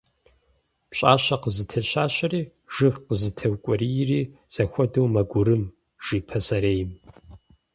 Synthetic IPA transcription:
pɕʼaːɕɐqəzɨtʰɐɕaːɕɐriː | ʒ̥ɨʁqəzɨtʰɐwkʷʼɔrijriːz̥ɐxʷɔdɐwmɐɡʷʊɾɨm | ʒ̥iːpʰɐsɐɾeːjɪm

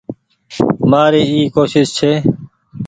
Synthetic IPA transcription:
maːɾiːiːkoːʃɪst͡ʃʰeː

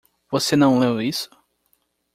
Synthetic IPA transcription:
vosenɐ̃w̃lewisʊ̥

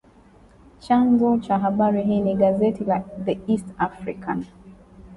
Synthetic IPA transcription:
t͡ʃanzɔt͡ʃaɦabaɹiɦiniɡazɛtʰilaðiistafɹḭkʰãn

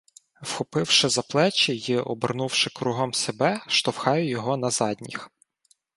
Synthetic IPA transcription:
wxɔpɪwʃɪzɐplˠɛt͡ʃʲijiʔɔbɪrnuwʃɪkɾuɦɔmsʲebɛʃt̪ɔwxɑjʊjɔɦɔnɐzɑdʲnʲḭx

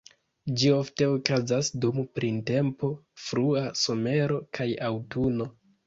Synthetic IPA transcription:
d͡ʒio̞fte̞okazasdumpɾinte̞mpo̞fɾuaso̞me̞ɾo̞kʰajawtuno̞

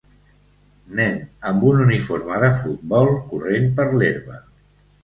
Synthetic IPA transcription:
nɛnəmbununifoɾmaðəfut̪̚bɔlˠkurenpəɾleɾβə̰

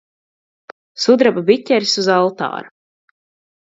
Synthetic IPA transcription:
sud̪ɾababit̪ʲɛɾisuzalˠt̪a̰ːɾu

